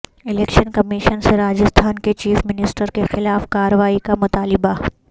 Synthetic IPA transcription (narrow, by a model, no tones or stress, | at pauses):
ɪlɛːkʃənkɐmɪʃənseɾaːd͡ʒəst̪ʰaːnket͡ʃiːfmɪnɪsʈəɾkexɪlaːfkaːɾəʋaːikamʊt̪aːlɪba